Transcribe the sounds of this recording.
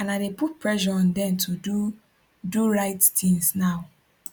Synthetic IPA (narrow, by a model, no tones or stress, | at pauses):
ãnaɪdeput̚pʰɹɛʃɔɔ̃ndɛ̃mtʰudu | duɹaɪttĩŋsnaʊ